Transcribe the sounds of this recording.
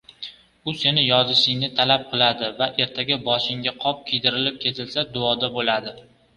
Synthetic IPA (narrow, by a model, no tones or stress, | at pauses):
ʊse̞nɪjɒzɪʃɪŋnɪt̪ʰalap̚qʰɨlˠad̪ɪvaʔe̞ɾt̪ʰaɡʲabɒʃɪŋɡʲaqʰɒp̚kʲʰijd̪ɪɾɪlɪp̚kʲʰe̞t̪ʰɪlsad̪ʊɒd̪abolad̪ɪ